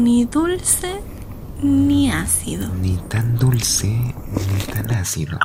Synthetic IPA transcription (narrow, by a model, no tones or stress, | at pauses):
niðulse | niasḭðonit̪and̪ulse | nit̪anasḭðo̰